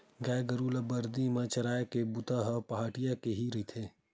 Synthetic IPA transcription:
ɡaːjɡəɾuːlabəɾd̪imet͡ʃəɾaːekebut̪aɦəpɐɦaːʈijakeɦiɾəɦit̪ʰe

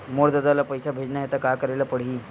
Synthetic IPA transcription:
moɽd̪ad̪alapəjsabʱed͡ʑnaɦet̪akakəɾaelapəɽiː

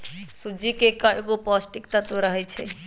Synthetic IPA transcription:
sud͡ʒikekaeɡopɔsʈikt̪at̪oɾəɦɛjt͡ʃʰɛ̰

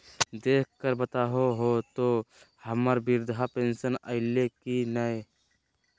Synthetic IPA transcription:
d̪eːk̚ʰkəɾbət̪aːɦoɦot̪o | həməɾbɪɾd̪ɦapeːnsənəɪlːekinəe

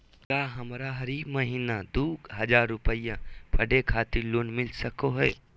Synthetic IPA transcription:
kaːɦɐmɾaɦɐɾiːbməɦiːnad̪uːɡɦɐd͡ʒaːɾːʊpəjãpʰɐɖekʰaːt̪iloːnmɪlsəkoɦɛː

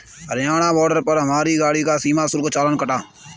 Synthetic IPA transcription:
əɾjaːnaːbɔːɾɖəɾpəɾɦəmaːɾiːɡaːɽiːkaːsiːmaːsʊɾkt͡ʃaːlənkəʈaː

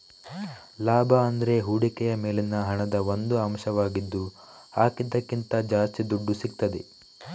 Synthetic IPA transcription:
laːbʱɐɐnd̪ɐɾe̞ɦuːɽikɛjɐme̞ːlinːɐɦɐɳɐd̪ɐʋond̪uɐmʃɐʋaːɡid̪ːu | aːkid̪ːɐkːint̪ɐd͡ʒaːst̪id̪uɖːusik̚t̪ɐd̪e

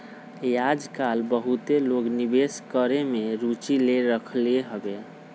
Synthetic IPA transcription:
jad͡ʒkalbəɦut̪eloɡnibeskəɾemeɾut͡ʃileɾəkʰleɦəbe

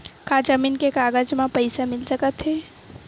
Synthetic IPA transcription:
kad͡ʒəmiːnkekaːɡəd͡ʒmãpəɪsamɪlsəkət̪ɦɛː

